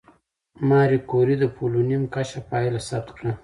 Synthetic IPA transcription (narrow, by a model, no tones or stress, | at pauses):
mɑɾikoɾid̪əpʰolunimkat͡ʃapɑjlasab̚t̪kɽa